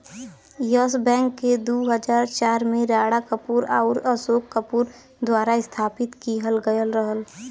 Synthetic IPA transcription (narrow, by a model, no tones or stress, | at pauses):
jəs̬bɛ̃ːŋkːed̪uːɦəd͡ʒaːɾt͡ʃaːɾmẽɾaːɽakəpuːɾa̰ːʊɾəsoːkːəpuːɾ | d̪waːɾaɪst̪ʰaːpɪt̪kiɦəlɡəjəlɾəɦəl